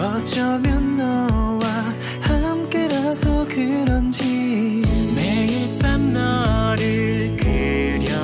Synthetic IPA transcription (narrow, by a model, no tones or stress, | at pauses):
ʌt͡ɕʌmjʌnːʌwa | hamk͈eɾasʰʌkɯɾʌnd͡ʑi | meitamnʌɾɯɭ | keɾjʌ